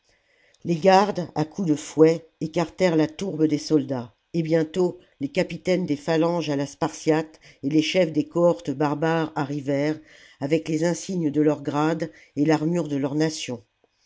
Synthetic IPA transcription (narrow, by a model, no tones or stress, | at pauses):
leɡaʁd̪akʰud̪əfwɛekaʁt̪ɛʁlat̪uʁbəd̪esɔld̪a | ebjɛ̃t̪o | lekapit̪ɛnd̪efalɑ̃ʒalaspaʁsjat̪eleʃɛfd̪ekɔɔʁt̪əbaʁbaʁaʁivɛʁ | avɛklezɛ̃siɲəd̪əlœʁɡʁad̪ | elaʁmyʁd̪əlœʁnasjɔ̃